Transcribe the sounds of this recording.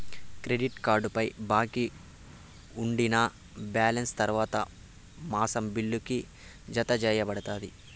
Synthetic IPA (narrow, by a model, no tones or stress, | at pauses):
kɾeɖiʈkaːɾɖupɐjbaːki | uɳɖinɐ | bjaːlɐnst̪ɐɾuʋaːt̪ɐ̰ | maːsɐmbiɭːuki | d͡ʒɐt̪ɐd͡ʒɛːjɐbɐɽɐt̪aːd̪i